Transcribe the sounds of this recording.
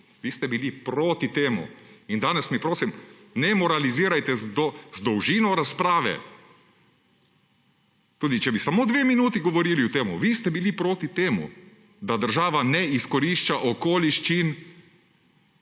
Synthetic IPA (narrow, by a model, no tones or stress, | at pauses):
ʋist̪ɛbilipɾoːt̪it̪eːmṵind̪aːnɛsmipɾoːsim | nɛmɔɾaliziːɾajt̪ɛzd̪zd̪ɔwʒiːnɔɾaspɾaːʋɛ̰ | t̪uːd̪it͡ʃɛbisamoːd̪ʋeːminuːt̪iɡɔʋɔɾiːliʊt̪eːmṵʋist̪ɛbilipɾoːt̪it̪eːmṵ | d̪ad̪əɾʒaːʋanɛiskɔɾiʃt͡ʃaʔɔkoːliʃt͡ʃin